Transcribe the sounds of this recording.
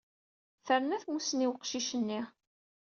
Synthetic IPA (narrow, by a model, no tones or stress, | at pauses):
θəɾnæθmusəniwəqʃiʃənːi